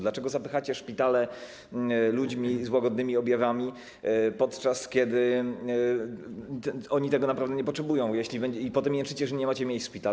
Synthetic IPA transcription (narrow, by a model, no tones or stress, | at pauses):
d̪lat͡ʂɛɡɔzapɘxat͡ɕɛʂpʲit̪alɛ | lud͡ʑmʲizwaɡɔd̪nɘmʲiɔbʲjavamʲi | pɔt̪t͡ʂaskʲjɛd̪ɘ | t̪ɔɲit̪ɛɡɔnapɾavd̪ɛɲɛp̬ɔtʂɛbujɔ̃w̃jɛɕlʲibɛɲd͡ʑipɔt̪ɛmjɛnʂɘt͡ɕɛʐɛɲɛmat͡ɕɛmʲjet͡ɕʂpʲit̪a